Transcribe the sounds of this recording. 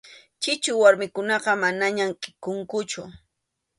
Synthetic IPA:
t͡ʃɪt͡ʃʊwaɾmɪkʊnɑqɑmanaɲamqʼɪkʊŋkʊt͡ʃʊ

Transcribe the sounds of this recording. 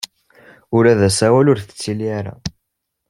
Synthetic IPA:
ʊɾæðæsæwælʊɾθət͡sːiliaɾa̰

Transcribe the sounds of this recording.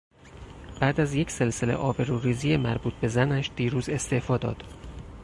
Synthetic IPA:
b̥æːd̪æzje̞cʰse̞lselḛʔɒːbe̞ɾuːɾiːzijemæɾbuːt̪̚ʰbe̞zænæʃd̪̥iːɾuːze̞st̪e̞ʔfɒːd̪ɒ̰ːd̪̥

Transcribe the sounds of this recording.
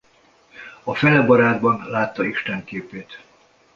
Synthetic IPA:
ɒfɛlɛbɒɾaːd̪bɒnlaːt̪ːɒiʃt̪ɛŋkeːpeːt̪

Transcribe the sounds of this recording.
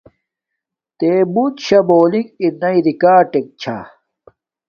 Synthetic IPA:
t̪eːbut̪ɕɐboːliŋɡiɾnɐiɾikaːʈek̚t͡ɕʰa̰

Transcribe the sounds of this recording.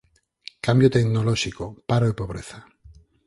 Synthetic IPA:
kambjot̪eknoloʃikopaɾoepoβ̞ɾḛθa

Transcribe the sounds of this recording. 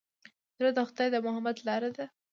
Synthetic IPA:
d̪ɾad̪əxʊd̪ɑjd̪əmʊhamad̪lɑɾad̪a

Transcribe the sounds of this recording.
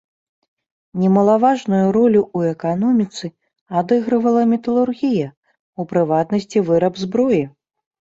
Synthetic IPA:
nʲɛmɐlˠavaʐnujuɾɔlʲuuɛkanɔmʲit̪sɨ | ad̪ɨɣɾɐvɐlˠɐmʲɛt̪ɐlˠurɣʲijɐ | upɾɨvat̪nɐsʲt͡sʲivɨɾɐbzbɾɔji

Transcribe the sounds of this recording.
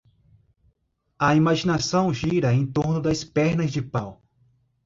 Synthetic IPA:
ɐimaʒinasɐ̃w̃ʒiɾɐẽt̪oɾnʊd̪ɐspɛɾnɐzd͡ʒɪpaw

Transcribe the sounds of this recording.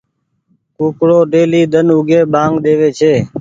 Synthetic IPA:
kuːkɽoːɖeːliːd̪ənʊɡʱeːɓãːŋɡd̪eːʋeːt͡ʃʰeː

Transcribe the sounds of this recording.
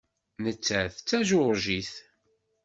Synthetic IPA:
nət͡sːæθt͡sːæʒʊɾʒiθ

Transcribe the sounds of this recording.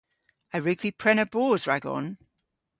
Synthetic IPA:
əɹʉɡv̥ipʰɹ̥ɛnəb̥ɔːzɹaɡɔ̰n

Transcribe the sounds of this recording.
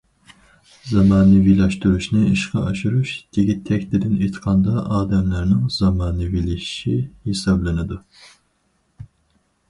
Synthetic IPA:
zɑmɑːnɨvilɛʃt̪uɾuʃnɨːʃqʰɑɑʃuɾuʃd̪̥iɡʲit̪ʰːɛkʲt̪ɪd̪ɪnit̪ʰqʰɑnd̪ɑʔɑːd̪ɛmlæɾnɪŋzɑmɑːnɨviliʃihisɑblˠɨnɨd̪u

